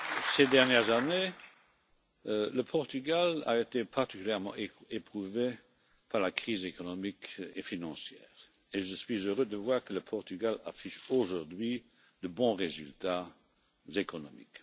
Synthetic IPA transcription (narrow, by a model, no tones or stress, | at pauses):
sed̪ɛʁnjɛʁzane | ləpʰɔʁt̪yɡala̰et̪epʰaʁt̪ikyljɛʁmɑ̰̃ʔeepχuve | pʰaʁlakχiːzekɔnɔmikefinɑ̃sjɛːʁ | eʒəsɥizøʁød̪əvwaːʁkələpʰɔʁt̪yɡala̰fiʃoʒuʁd̪ɥi | d̪̥əbɔ̃ʁezy̰lt̪a | zekɔnɔmḭk